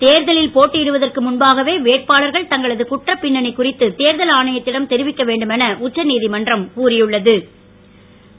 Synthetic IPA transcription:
t̪eːɾðɐlɪlpoːʈːɪɪɽɯʋɐðɐrkɯmʊnbaːɣɐʋeːʋeːʈ̚paːɭɐɾɣɐɭt̪ɐŋɡɐɭɐðɯkʊʈrɐpːɪɳːɐɳɪkːʊrɪt̪ːɯt̪eːɾðɐlaːɳɐjɐt̪ːɪɽɐmt̪ɛɾɪʋɪkːɐʋeːɳɖɯmɛnɐʔʊt͡ʃːɐniːðimɐndrɐmkuːrɪjɯɭːɐðɯ

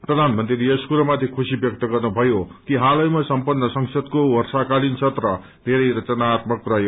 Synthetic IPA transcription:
prʌd̪ʱanmʌnt̪riɾiʌskuɾʌmat̪ʰekʰusibjʌk̚t̪ʌɡʌrnubʱʌjokiɦalʌjmasʌmpʌnːʌsʌŋsʌd̪kowʌrsakalinsʰʌt̪rʌ | d̪ʱeɾʌjɾʌt͡sʌnat̪mʌkrʌjo

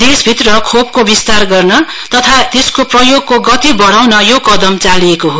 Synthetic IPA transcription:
d̪esbʱit̪rʌkʰop̚kobist̪arɡʌrnʌ | t̪ʌt̪ʰat̪eskoprʌjoɡ̚koɡʌt̪ibʌɽawnʌjokʌd̪ʌmt͡saliekoɦo

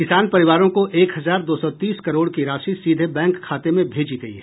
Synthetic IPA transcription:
kɪsaːnpɐɾɪʋaːɾõkoʔeːkɦɐzaːɾd̪oːsɔt̪iːskɐɾoːɽkiɾaːʃisiːd̪ʱebɛ̃ːŋkʰːaːt̪emẽbʱeːd͡ʒiɡ̪ɐḭɛː

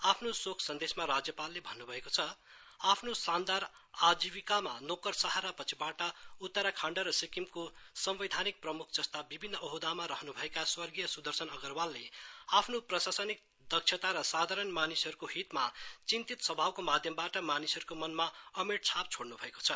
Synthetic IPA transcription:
apʰnosokʰsʌnd̪esmaɾad͡zjʌpalːebʱʌnːubʱʌekot͡sʰʌ | apʰnosand̪aɾ | ad͡zibikamanokʌrsaɦaɾapʌt͡sʰibaʈʌut̪ːʌɾakʰaɳɖʌɾʌsikimkosʌmbid̪ʱanik̚prʌmukʰd͡zʌst̪abibʱinːʌʌɦud̪amaɾʌɦnubʱʌekaswʌrɡijʌsud̪ʱʌrsʌnʌɡʌrwalːeapʰnoprʌsasʌnik̚ | d̪ʌkt͡ʃʰjʌt̪aɾʌsad̪ʱaɾʌnmanisɦʌɾukoɦit̪mat͡sint̪it̪sʌbʱawkomad̪ʱjʌmbaʈʌmanisɦʌɾukomʌnmaʌmeʈ̚t͡sʰap̚t͡sʰoɽnubʱʌeko̥t͡sʰʌ

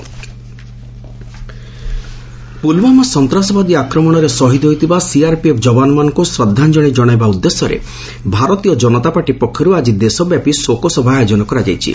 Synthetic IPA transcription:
pulbamɔsɔnt̪ɾasɔbad̪iakɾɔmɔɽ̃ɔɾesɔɦid̪ɔɦojt̪ʰibasiaɾpiepʰd͡ʒɔbanɔmanɔŋkusɾɔd̪ʱːand͡ʒɔɽ̃id͡ʒɔɽ̃ajbaud̪ːesjɔɾḛ | bʱaɾɔt̪ijɔd͡ʒɔnɔt̪apaʈipɔkʰːjɔɾuad͡ʒid̪esɔbjapisokɔsɔbʱad͡ʒɔñɔkɔɾad͡ʒajt͡ʃʰḭ

